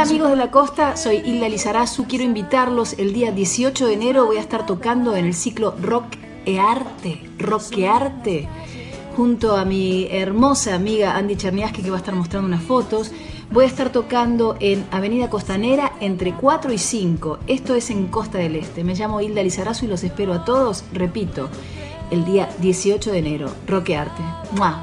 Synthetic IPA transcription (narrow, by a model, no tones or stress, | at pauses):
amiɣo̞zðelako̞st̪aso̞jild̪alisaɾasukje̞ɾoimbit̪aɾlo̞se̞ld̪iaðje̞sio̞t͡ʃoðene̞ɾo̞βo̞jaest̪aɾt̪okand̪o̞ene̞lsiklo̞rok | eaɾt̪e | rokeaɾt̪e | xunt̪oamieɾmo̞saːmiɣaʔand̪it͡ʃeɾnjaskekeβaest̪aɾmost̪ɾand̪unasfo̞t̪o̞s | bo̞jaest̪aɾt̪o̞kand̪o̞ʔe̞naβe̞niðako̞st̪aneɾaent̪ɾe̞kwat̪ɾo̞isiŋko̞e̞st̪o̞ese̞ŋko̞st̪aðele̞st̪e̞meʒamo̞ild̪alisaɾasuilo̞se̞speɾoat̪o̞ð̞o̞srepit̪o̞ | eld̪iaðje̞sio̞t͡ʃo̞ðene̞ɾo̞̰rokeaɾt̪e | mwa